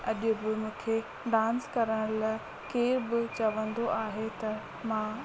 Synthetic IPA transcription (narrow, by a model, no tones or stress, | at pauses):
ɐʄʊbɪmũːkʰe | ɖãːnskɐɾəɽ̃lɐ | keːɾbɪt͡ɕɐʋə̃nd̪oʔaːɦet̪ɐ | mãː